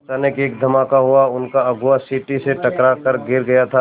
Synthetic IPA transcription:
t͡ʃaːnekeːkd̪ʱɐmaːkaɦuaʊnkaɐɡʊasiʈiseʈɐkɾakəɾɡɪɾɡɐjat̪ʰa

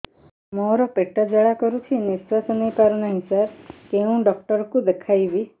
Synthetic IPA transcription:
mɔɾɔpeʈːəd͡ʒəɭakɔɾut͡ʃʰinisasɔnejpaɾnaɦisaɾkeũɖɔk̚ʈəɾkũd̪ekʰajʋi

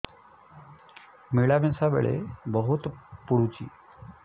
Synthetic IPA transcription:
miɭabɛsaʋḛɭḛbəɦut̪puɽut͡ɕḭː

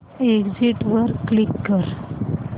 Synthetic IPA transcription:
eɡd͡ziʈʋəɾklikːəɾ

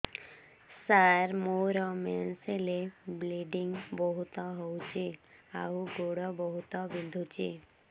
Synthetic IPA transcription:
saɾmoɾɔmɛnselebleɖiŋbɔɦut̪ɔɦɔwt͡ʃʰeawɡoɽɔbɔɦut̪ɔbind̪ʱut͡ʃʰe

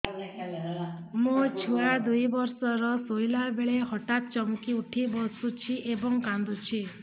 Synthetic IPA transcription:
mũt͡ʃʰuad̪ujbɔɾsɔɾɔsojlabeɭeɦɔʈat̪̚t͡ʃɔmkiuʈʰibɔsut͡ʃʰiʔebɔŋkand̪ut͡ʃʰi

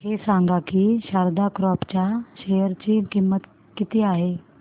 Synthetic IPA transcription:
hesãŋɡakiɕaɾd̪akɾɔpt͡ɕaɕejəɾt͡ɕiːkimːət̪ | kit̪iːaɦe

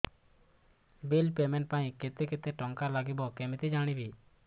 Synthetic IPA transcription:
bilpemɛnʈ̚paj̃ket̪ɛket̪eʈɔŋkaɾlaɡibɔkɛmit̪ɛd͡ʒaɽ̃ibi

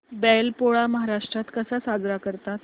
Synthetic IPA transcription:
bɛlpoɭaməɦaɾaʂʈɾat̪kəsasad͡zɾakəɾt̪at̪

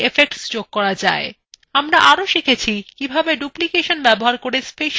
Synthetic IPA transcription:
efek̚ʈsd͡ʑoɡ̚kːɔɾad͡ʑae | amɾaʔaɾoʃikʰet͡ɕʰikibʱabeɖuplikeʃonbɛboɦaɾkoɾespeʃ

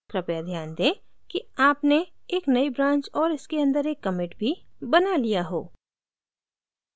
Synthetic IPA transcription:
kɾɐpjad̪ʱjaːnd̪ẽː | kiaːpneeːknɐibɾãːɲt͡ʃɔːɾɪskeɐ̃nd̪əɾeːkːɐmɪʈbʱibɐnalijaɦo̰ː

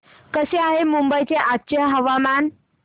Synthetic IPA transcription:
kəseaɦemumbəjt͡seʔatːɕəɦəʋaman

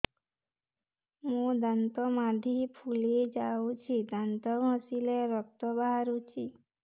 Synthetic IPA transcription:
mũd̪ant̪ɔmad̪ʱipʰuled͡ʒaut͡ʃʰid̪ant̪ɔɡʱɔ̃sileɾɔk̚t̪ɔbaɦaɾut͡ʃʰi

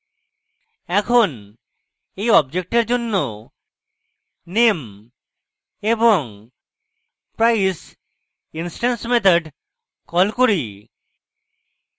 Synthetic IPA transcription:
ɛkʰon | ejɔbd͡ʑek̚ʈeɾd͡ʑonːo | nem | eboŋ | pɾajs | insʈansmet̪ʰaɖ | kɔlkoɾi

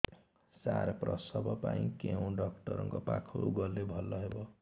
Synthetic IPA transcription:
saɾprʌsʌbʱʌpaĩkew̃ɖʌkʈʌɾʌŋkopa̰kʰoṵɡʌlːebʱʌlːʌɦebo

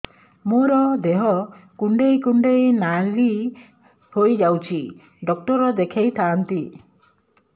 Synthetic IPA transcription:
moɾɔd̪eɦɔkuɳɖejkuɳɖejnali | hojd͡ʒawt͡ʃʰi | ɖɔk̚ʈɔɾɔd̪ekʰejt̪ʰaːnt̪i

